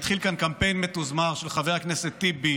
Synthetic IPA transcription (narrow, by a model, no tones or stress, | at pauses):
t̪χilkankampe̞jnmetuzmaʁʃelχaveakneset̪ːibi